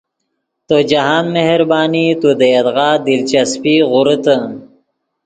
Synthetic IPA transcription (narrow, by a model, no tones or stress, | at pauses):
t̪od͡ʒaɦaːnmehɾbɑːnit̪ud̪ejad̪ɣɑːd̪ilt͡ʃaspiɣʊɾət̪ə